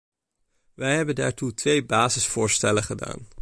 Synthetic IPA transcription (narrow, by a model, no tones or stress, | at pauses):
ʋɛjɦɛbənda̰ːɹtutʋejbaːzəsfʊːɹstɛləχəda̰ːn